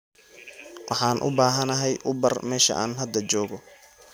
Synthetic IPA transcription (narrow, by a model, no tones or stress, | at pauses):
wʔɑħɑːnʔʊ̰baːɦɐnɐɦɛjʔʊbɐrmɛːʃɐ̰ʔa̰ːnɦɐd̪ɐt͡ʃɔːɣɔ